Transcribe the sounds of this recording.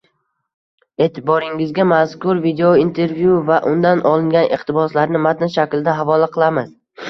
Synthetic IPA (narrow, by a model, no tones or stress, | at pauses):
e̞ːt̪ʰɪbɒɾɪŋɪzɡʲamaskʊɾvid̪eoint̪ʰe̞ɾvjuvaʔʊnd̪anʔɒlˠɪŋɡʲanʔɪχt̪ɪbɒslaɾnɪmat̪ɪnʃakʲld̪aɦavɒlˠaqʰɨlˠamɪz̥